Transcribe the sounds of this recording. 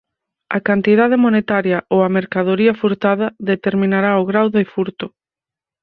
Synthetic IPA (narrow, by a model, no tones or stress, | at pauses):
ɐ̰kant̪iðað̞emonet̪aɾjɐʔowɐmeɾkaðoɾiɐfuɾt̪aðɐðet̪eɾmĩnaɾaoɣɾawðɪfuɾt̪ʊ